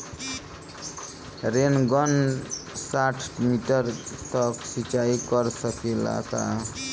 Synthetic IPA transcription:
ɾenɡʌnsaʈʰmiʈəɾt̪ʌksit͡ʃaikʌɾsəkela̰ka̰

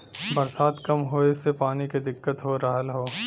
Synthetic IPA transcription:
bɐɾsaːt̪kɐmɦoːɪsːepaːniked̪ɪkːət̪ɦoɾɐɦəlɦoː

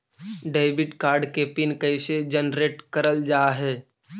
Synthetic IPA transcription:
ɖeːɪbɪʈkaːɾɖkepɪnkəɪsed͡ʒənɾeːʈkəɾəld͡ʒaːɦɛː

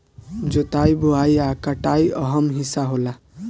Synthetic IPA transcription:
d͡ʒot̪ajbuajakaʈajʌɦʌmɦisaɦola

